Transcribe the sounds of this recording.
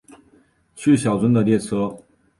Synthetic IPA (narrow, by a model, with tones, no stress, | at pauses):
t͡ɕʰy˥˩ɕjɑ˨˩ʊt͡swə˥nd̪ə˨ljɛ˥˩t͡sʰɤ˥